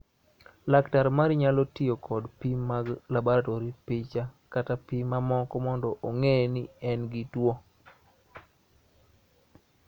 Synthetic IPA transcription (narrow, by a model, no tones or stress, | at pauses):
laktaɾmaɾiɲalɔtɪjokʰɔdpimaɡlabɔɾatɔɾipɪt͡ʃakatapimamɔkɔmɔndɔʔoŋenɪɛnɡɪtwo